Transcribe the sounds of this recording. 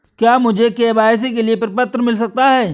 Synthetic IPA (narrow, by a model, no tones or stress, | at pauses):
kjaːmʊd͡ʒʱekeːbaːjs̬ek̬eliepɐɾpɐt̪ɾəmɪls̬ɐk̚t̪aɦɛː